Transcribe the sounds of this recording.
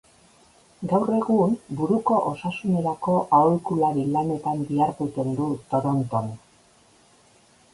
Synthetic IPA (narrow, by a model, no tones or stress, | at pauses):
ɡawre̞ɣumbuɾuko̞ʔosasune̞ɾako̞ʔaoljkulaɾilane̞t̪ambiaɾɣut̪e̞nd̪ut̪o̞ɾo̞nt̪o̞n